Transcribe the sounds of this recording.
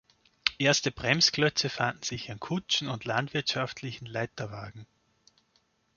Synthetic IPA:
ʔeːɐstəb̥ʁɛmsɡ̥lœt͡səfandn̩z̥ɪçɪnkʰʊt͡ʃn̩ʊndlandv̥ɪɐtʃaftʰlɪçn̩laɪtɐvaːɡŋ̩

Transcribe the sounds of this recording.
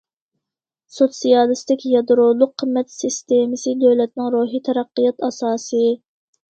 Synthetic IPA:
sot̪sijɑlˠɨst̪ɪkʲjɑd̪ɾolˠʊqʰːəmːɛt̪sɨst̪emɪsɨd̪øwlɛt̪̚nɪŋɾoːɦit̪ʰɛɾɑqːijɑt̪ɑsɑːsɨ

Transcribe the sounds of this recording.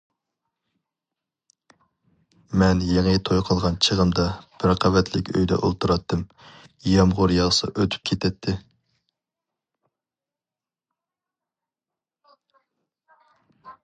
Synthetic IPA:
mɛnjeŋət̪ʰojqʰəlˠʁɑnt͡ʃʰəʁəmd̪ɑb̥ɪɾqʰɑvɛt̪ʰlɪkʲø̰jd̪ɛ̰ʔo̰lˠt̪ʰuɾɑt̪ʰːɨm | jɑmʁʊɾjɑʁsɨ̰ʔøt̪ʰy̥p̚kʲʰet̪ʰɛt̪ʰːɪ

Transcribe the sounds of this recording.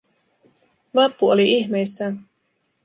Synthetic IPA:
ʋɑpːuoliʔiçme̞jsːæn

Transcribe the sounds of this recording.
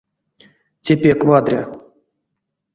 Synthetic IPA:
t͡sʲepʲekvad̪ɾʲa̰

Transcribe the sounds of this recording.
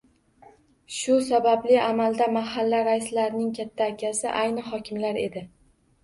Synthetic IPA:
ʃʊsabablɪamald̪amaɦalːaɾaɪslaɾnɪŋkʲʰat̪ʰːaːkʲʰasɪʔajnɪɦɒkʲʰɪmlaɾe̞̰d̪ɪ

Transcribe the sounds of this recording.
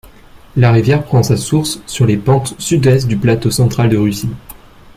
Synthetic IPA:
laʁivjɛʁpχɑ̃sasuʁsːyʁlepɑ̃t̪syd̪ɛst̪̚d̪yplat̪osɑ̃t̪χald̪əʁysi

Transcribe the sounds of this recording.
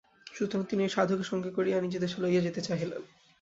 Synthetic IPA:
ʃut̪omt̪inieʃad̪ʱokeʃɔŋɡekoɾianid͡ʑed̪eʃolaied͡ʑet̪et͡ɕaɦilḛn

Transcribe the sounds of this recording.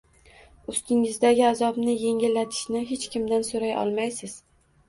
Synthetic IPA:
ʊst̪ɪŋɪzd̪aɡʲɪazɒbnɪje̞ŋʲɪlːat̪ʰɪ̥ʃnɪɦe̞t͡ʃkʲʰɪmd̪ansoɾajɒ̰lˠmajsɪz̥

